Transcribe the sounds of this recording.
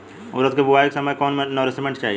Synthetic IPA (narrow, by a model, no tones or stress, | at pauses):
ʊ̰ɾət̪kebuaikesɐməjkɔːnmẽnɔɾesimẽɳʈt͡ʃaːɦi